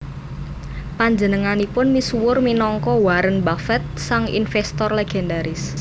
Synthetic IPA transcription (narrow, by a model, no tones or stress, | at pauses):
paɲd͡ʒənəŋanipʊnmisuwʊrminɔŋkɔwaɾənbafɛt̪̚saŋḭnfɛst̪ɔrleɡ̥ɛndaɾɪs